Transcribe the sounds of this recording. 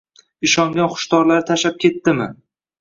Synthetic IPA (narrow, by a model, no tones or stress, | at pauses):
ɪʃɒŋɡʲanχʊ̥ʃt̪ɒɾlaɾɪt̪ʰaʃap̚kʲʰe̞t̪ːɪmɪ